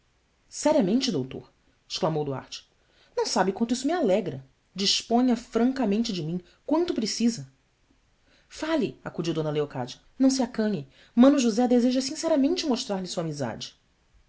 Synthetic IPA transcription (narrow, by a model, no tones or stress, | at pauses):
sɛɾiɐmẽnt͡ʃɪd̪owt̪o̰ɾ | ɪ̥ʃklamowd̪ua̰ɾt͡ʃɪ̥ | nɐ̃w̃sabɪkwɐ̃nt̪ʊisʊmialɛɡɾɐ | d͡ʒiʃpõɲɐfɾɐ̃ŋkɐmẽnt͡ʃɪd͡ʒɪmĩ | kwɐ̃nt̪ʊpɾesizɐ | falɪakud͡ʒiwd̪õnɐleoka̰d͡ʒɐnɐ̃w̃s̬ɪakɐ̃ɲɪ | mɐ̃nʊʒuzɛd̪ezeʒɐsĩsɛɾɐmẽnt͡ʃɪmoʃt̪ɾaɾlɪsuɐamiza̰d͡ʒɪ̥